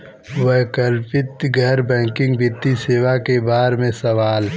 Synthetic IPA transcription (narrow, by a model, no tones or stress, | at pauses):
wəɦkəlpɪt̪ɡɛːɾbɛ̃ːŋkɪ̃ŋɡbɪt̪ːiseːwakebaːɾmẽsɐʋaːl